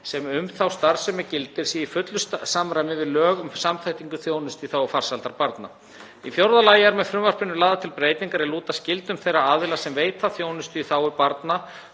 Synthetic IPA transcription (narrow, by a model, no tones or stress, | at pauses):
sɛmʏmθawst̪aɾ̥sɛmːɛcɪlt̪ɪɾ̥siifʏt̪lʏssamɾajmɪvɪðlœːɣʏmsamθajht̪iŋkʏθjoːwnʏst̪iθawafar̥salt̪aɾpaɾt̪na̰ | ifjowɾðalaːjaɾmɛðfɾʏmvar̥pɪnːʏlaːðat̪ʰɪlpɾeːjt̪iŋkaɾiluːt̪ascɪlt̪ʏmθejraaːðɪlasɛmveːjt̪θaθjoːwnʏst̪ʏiθawʏpaɾt̪na